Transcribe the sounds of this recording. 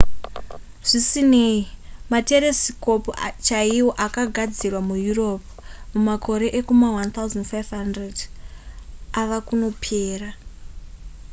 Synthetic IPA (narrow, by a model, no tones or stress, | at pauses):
ʐ̥isineimate̞ɾe̞siko̞pot͡ʃaiwo̞ʔakaɡʱad͡zirwamujuro̞p̚ | mumakʰo̞ɾe̞ʔekumawant̪auzandfajvɦandred | aʋakuno̞pʰeːra